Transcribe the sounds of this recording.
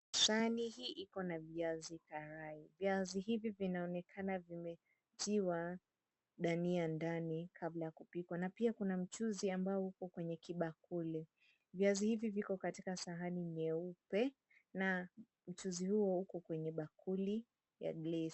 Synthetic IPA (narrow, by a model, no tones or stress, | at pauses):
saanihiːʔikɔnaviazikaɾaiviaziɦivivinaɔnɛkʰanavimɛ | tiwa | ɗaniandanikʰablajakupikwanapiakunam̩t͡ʃuziambaɔhukɔkwɛɲɛkiɓakulɛ | viazihivivikɔkatikasaɦaniɲɛupɛ | na | m̩t͡ʃuzihuɔukɔkwɛɲɛɓakuli | ja̰ɡlɛ